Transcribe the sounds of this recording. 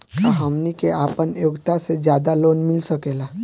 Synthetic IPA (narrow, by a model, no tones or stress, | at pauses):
kaɦamnikeʔaːpənjoːkt̪ased͡ʒjaːd̪aloːnmɪlsəkeːlaː